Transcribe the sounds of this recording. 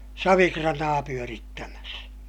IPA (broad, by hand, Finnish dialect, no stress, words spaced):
sɑʋikrɑnɑː pyøritːæmæs